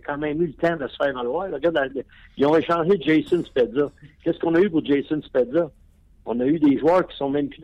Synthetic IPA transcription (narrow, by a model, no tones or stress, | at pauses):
kʰɑ̃ːmɛ̃ɪ̃mylət̪ãd̪əsə̥fɛːʁvalwaːʁləɡad̪alə | jɔ̃eʃɑ̃ːʒed͡ʒejsənspɛd̪zɔkʲɛskɔ̃nəypʊʁd͡ʒesənspɛd̪zə | ɔ̃nəyd̪eʒwœːʁkʲi̥sɔ̃mɛ̃mk